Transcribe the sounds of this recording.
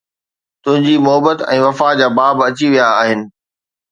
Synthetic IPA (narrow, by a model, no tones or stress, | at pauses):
t̪ʊ̃ɦɪ̃ɲd͡ʑimʊɦəbət̪ɛ̃ːʋɐfad͡ʑaːbaːbɐt͡ɕiʋijaːɦɪnɪ̆